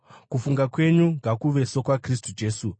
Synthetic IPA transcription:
kufuŋɡakwe̞ɲuŋɡʱakuʋe̞so̞kwakris̬tud͡ʒe̞ːsu

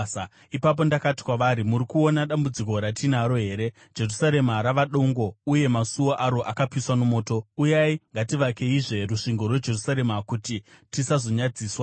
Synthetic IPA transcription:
ipap̬o̞ndakati̥kwaʋaɾimuɾikuo̞naɗambud͡ziko̞ɾatinaɾo̞ɦe̞ːɾe̞̥ | d͡ʒe̞rusaɾe̞maɾaʋaɗo̞ŋɡo̞uje̞masuwoʔaɾo̞ʔakapiswanomo̞ːto̞ujaiŋɡatiʋake̞iʐe̞ruʂiŋɡo̞rwe̞d͡ʒe̞rusaɾe̞makuti | tisazo̞ɲad͡ziːswa

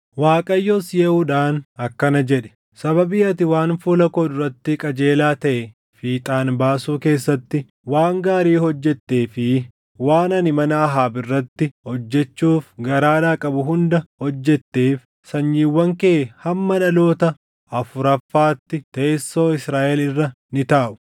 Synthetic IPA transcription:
waːkʼɐjːoːsjeːuːᶑaːnɐkːɐnɐd͡ʒɛᶑɛ̥ | sɐβɐbiːɐt̪ɪwaːnfuːlɐkoːd̪ʊɾɐt̪ːɪkʼɐd͡ʒe̞ːlaːt̪ɐʔɛ | fiːt̪ʼaːnbaːsuːke̞ːsːɐt̪ːɪ | waːŋɡaːɾiːhɔd͡ʒːɛt̪ːe̞ːfɪ | waːnɐnɪmɐnɐɐɦaːbɪrːɐt̪ːɪhɔd͡ʒːɛt͡ʃːuːfɡɐɾaːd̪aːkʼɐbʊɦʊnd̪ɐhɔd͡ʒːɛt̪ːeːf | sɐɲːiːwːɐŋkehɐmːɐnɐlo̞ːt̪ɐ | ɐfʊɾɐfːaːt̪ːɪt̪eːsːo̞ːɪsɾaːʔɛlɪrːɐ | nɪt̪aːʔʊ̥

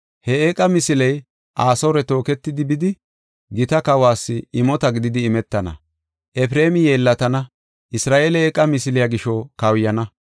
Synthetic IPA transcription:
hɛekʼːɐmɪsɪlɛj | ʔaːsoɾɛt̪o̞ːkɛt̪ːɪd̪ɪbɪd̪ɪ | ɡɪt̪ɐkɐwaːsːɪɪmɔt̪ɐɡɪd̪ɪd̪ɪːmɛt̪ːɐnɐ̰ | ʔɛfɾe̞ːmɪjeːlːɐt̪ɐnɐ | ʔɪsɾaːʔeːlɛeːkʼːɐmɪsɪlɪjaɡɪʃɔkɐwjɐnɐ

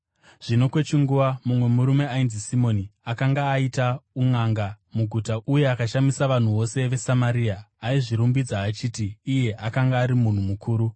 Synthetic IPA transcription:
ʐ̥ino̞kwe̞t͡ʃiŋɡuʋamumwe̞muɾume̞ainzisimo̞niakaŋɡaːitauŋaŋɡa | muɡʱutaʔuje̞akaʃamisaʋan̤uʋo̞se̞ʋe̞samaɾiːaːiʐiɾumbid͡zaːt͡ʃiːtiːje̞ʔakaŋɡaːɾimun̤umukʰuːɾu

